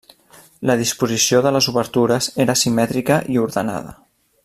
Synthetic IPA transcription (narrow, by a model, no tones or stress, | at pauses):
ləð̞ispuzisioðələzuβəɾt̪uɾəzeɾəsimɛt̪ɾikəʔiuɾðəna̰ðə̰